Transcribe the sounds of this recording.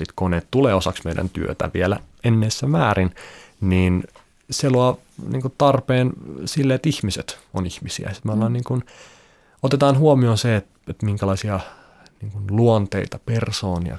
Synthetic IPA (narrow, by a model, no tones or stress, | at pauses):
sit̪koneːt̪t̪uleːosɑksmeidæ̰nt̪yø̰t̪æ̰ʋielæ̰ | enːeːsːæmæːɾinniːn | seluɑ | nḭːŋkutt̪ɑrpeːnsilːeet̪ihmiset̪onihmisḭæ̰si̥t̪mælɑːnniːŋkun | ot̪et̪ɑːnɦuomionseet̪ | et̪miŋkælɑisiɑ | niːŋkunluont̪ḛit̪ɑpersoːniɑ̰